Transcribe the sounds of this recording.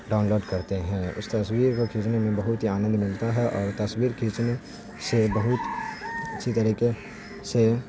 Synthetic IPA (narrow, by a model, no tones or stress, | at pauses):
ɖaːʊnloːɖkɐɾt̪eɦɛ̃ːʊ̰st̪ɐswiːɾkokʰiːt͡ʃnemẽbɐɦʊt̪ɦiaːnə̃nd̪mɪlt̪aɦɛʔɔːɾt̪ɐswiːɾkʰiːt͡ʃne | sebɐɦʊt̪ɐtːʃʰit̪ɐɾiːke | se